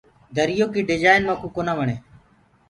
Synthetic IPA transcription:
d̪ʱəɾɪjoːkiːɖɪd͡ʒaːɪnmãːkũːkoːnãːʋəɳeː

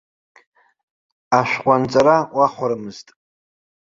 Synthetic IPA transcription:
aʃʷᶣqʷʼant͡sʼaɾawaχʷaɾɨmɨz̥tʼ

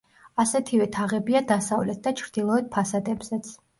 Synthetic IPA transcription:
asɛt̪ʰivɛt̪ʰaʁɛbiad̪asavlɛt̪̚d̪at͡ʃʰɾd̪ilˠɔɛt̪̚pʰasad̪ɛbz̥ɛt̪sʰ

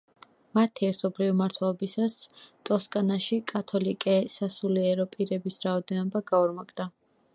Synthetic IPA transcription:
mat̪ʰiɛɾt̪ʰɔbɾivimaɾt̪ʰwɛlˠɔbisast̪ʼɔskʼanaʃikʼat̪ʰɔlikʼɛsasuliɛɾɔpʼiɾɛbisɾaɔd̪ɛnɔbaɡauɾmakʼd̪̥a

